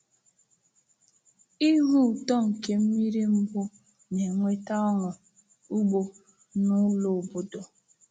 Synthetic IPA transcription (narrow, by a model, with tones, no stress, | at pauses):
i˦ɦʊ˦˨tɔ˦ŋ̩˨ke˦m̩˦mi˦ɾi˦m̩˦bʊ˦ | ne˨ŋʷe˦ta˦ɔ˦ŋʊ˨ | u˦ɡ͡bo˦ | nʊ˦lo˨bo˨do˨